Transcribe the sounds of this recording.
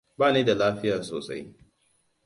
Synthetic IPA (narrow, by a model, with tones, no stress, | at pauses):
baː˦˨neː˦da˨laː˦ɸɪ˦jaː˨so̰ː˨sa̰˦j